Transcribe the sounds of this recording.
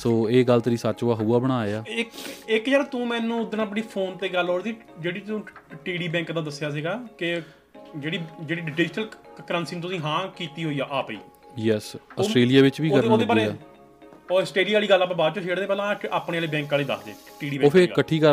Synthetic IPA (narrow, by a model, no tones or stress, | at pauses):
soːeːɡəlt̪ɾĩːsat͡ʃoaːɦuːaːbəɽ̃aːaːɪkɪkd͡ʒaːɾat̪ũːmɛ̃ːnũːʊd̪ənãːəp̬ɽiːpʰoːnt̪eːɡəlːoːɽd̪iː | d͡ʒeːɽiːt̪ũːʈiːɖiːbɛ̃ːŋkd̪ãːd̪əsɪjaːs̬iːɡaːkɪ | d͡ʒeːɽiːd͡ʒeːɽiːɖɪɖɪːd͡ʒnəlkəɾə̃nsiːnt̪̬ʊsĩːɦãːkiːt̪iːɦoːiːaːʔaːpḭː | jɛːsəsʈɾeːlijaːʋɪt͡ʃbiːkəɾoːd̪eːbaːleːaː | oːəsʈeːɖiːaːliːɡəlːaːpãːbaːd̪t͡ʃoʃeːɽd̪eːpɛːlãːʔaːpɽẽːaːleːbɛ̃ːŋkaːliːd̪ə̰sd̪ḛː | ʈiːɖiːbɛoːkpʰɪɾːɡakːəʈʰːiːkəɾ